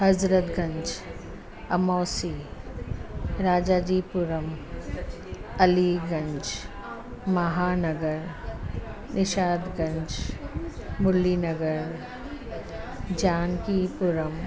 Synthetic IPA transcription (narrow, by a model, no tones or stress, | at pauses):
ɦɐzɾət̪ɡɐ̃ɲt͡ʃ | ɐmɔːsi | ɾaːd͡ʒaːd͡ʒiːpʊɾəm | ɐliɡɐ̃ɲt͡ʃ | mɐɦaːnəɡəɾ | nɪʃaːd̪ɡə̃ɲt͡ʃ | mʊlinəɡəɾ | d͡ʒaːnkipʊɾəm